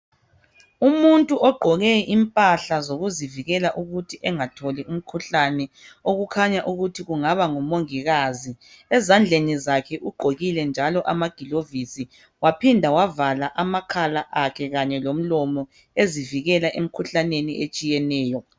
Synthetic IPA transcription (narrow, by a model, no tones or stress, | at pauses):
umuntʼuɔɡ͡ǃʱɔɣeʔimpʼaɬazoɣuziviɣɛlaʔuɣutʰiʔɛŋatʰolium̩kʰuɬanɛoɣukʰaɲaʔuɣutʰiɣuŋaβaŋumoŋiɣazi | ɛzand͡ɮʱenizakʰɛʔuɡ͡ǃʱoɣilɛnd͡ʒʱalɔʔamaɡ̥ʱilovisi | wapʰindʱawavalaʔamakʰalaʔakʰɛɣaɲɛlom̩lɔmɔ | eziviɣɛlaʔem̩kʰuɬaneniʔet͡ʃʼijɛnɛːjɔ